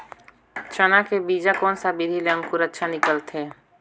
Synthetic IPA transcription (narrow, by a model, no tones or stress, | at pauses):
t͡ʃənakebiːd͡ʒakɔːnsabiɾileə̃ŋkʊɾətːʃʰanɪkəlt̪ʰeː